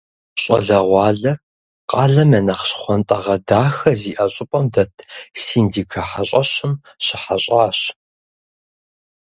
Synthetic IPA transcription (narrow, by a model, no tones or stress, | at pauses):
ɕʼɐ̰ɮɐʁʷɑːɮɐr | qɑːɮɐmɐnɐχɕχʷɔntʼɐʁɐdaːxɐziːʔɐɕʼɪpʼɐmdɐtʰsiːndiːkʰɐħaɕʼɐɕɪm | ɕɪħaɕʼaːɕ